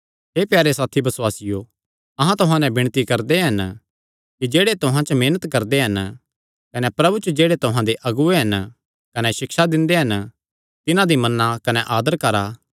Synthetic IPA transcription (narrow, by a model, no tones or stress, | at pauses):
ɦeːpjaːɾesaːt̪ʰibɐswaːsɪjo | ɐɦãt̪ʊɦãːnɛ̃bɪ̃ɽ̃t̪ikɐɾd̪eɦɐn | kid͡ʒeːɽet̪ʊɦãt͡ʃmeːnət̪kɐɾd̪eɦɐn | kɐnɛpɾɐbut͡ʃod͡ʒeːɽet̪ʊɦãd̪eʔɐɡueɦɐn | kɐnɛʃɪkʃad̪ɪ̃nd̪eɦɐn | t̪ɪnãd̪imɐnːakɐnɛʔaːd̪əɾkɐɾaː